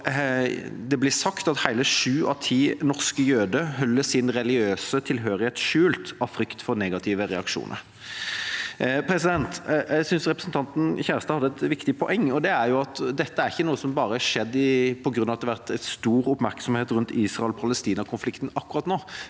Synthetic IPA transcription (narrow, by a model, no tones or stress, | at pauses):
d̪ɛblɪsɑkt̪ɑt̪hæɪləʂʉːʔɑt̪ʰiːnɔʁskəjøːd̪əɦœlːəsɪnɾɛlɪɡɪøːsət̪ʰɪlɦøːɾɪheːt̪ʂʉːlt̪ɑʋfɾʏkt̪fɔɾnɛːɡɑt̪ʰɪːʋəɾɛɑkʂṵːnʔə̰ɾ | pʰɾɛsɪd̪ɛnt̪jæɪsʏnsɾɛpɾəsn̩t̪ɑnt̪n̩çæːɾəst̪ɑhɑd̪əɛt̪ʋɪkt̪ɪpʰɔʔɛŋːɔd̪ɛæɾjʊɑt̪d̪ɛt̪ːəæɾɪçːənuːəsɔmbɑːɾəɑʂɛd̪ːɪpʰɔɡɾʉnːɑʋɑt̪ːɛʋæɾt̪æst̪uːɾʊpmæɾksɔmheːt̪ɾʉnt̪ʰiːsʁɑɛlpʰɑləst̪iːnɑkʰʊnflɪkt̪n̩ɑkːʊɾɑːt̪noː